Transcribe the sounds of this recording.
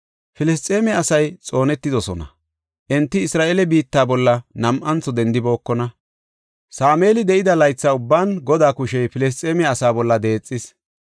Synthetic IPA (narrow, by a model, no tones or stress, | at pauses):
fɪlɛs̬t̪ʼːeːmɛɐsɐjt͡sʼo̞ːnɛt̪ːɪd̪ɔsɔnɐ̰ | ʔɛnt̪ːɪɪsɾaːʔelɛbiːt̪ːaːbɔlːɐnɐmʔɐnt͡sːɔd̪ɛnd̪ɪbo̞ːkːɔnɐ | saːme̞ːlɪd̪ɛʔɪd̪ɐlɐjt͡sːaːʊbːaːnɡɔd̪aːkʊʃɛjfɪlɛs̬t̪ʼːeːmɛɐsaːbɔlːɐd̪e̞ːt͡sʼːɪs